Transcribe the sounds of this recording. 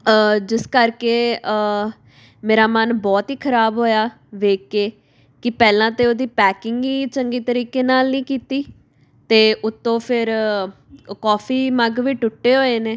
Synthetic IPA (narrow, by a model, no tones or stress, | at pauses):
əd͡ʒɪskəɾkeː | meːɾaːmənbɔːt̪ɦiːkʰəɾaːbɦoːjaː | ʋeːkːeː | kɪpɛːlãːt̪eːoːd̪iːpɛːkɪŋɡiːt͡ʃəŋɡiːt̪əɾiːkeːnaːlnĩːkiːt̪iː | t̪eːʊt̪ːõːpʰɪɾ | kɔːpʰiːməɡʋiːʈʊʈːeːɦoːeːneː